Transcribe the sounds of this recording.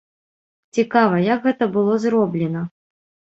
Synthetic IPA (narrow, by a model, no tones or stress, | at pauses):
t͡sʲikavɐjɐkɣɛt̪ɐbɨlˠɔzrɔblʲɪnɐ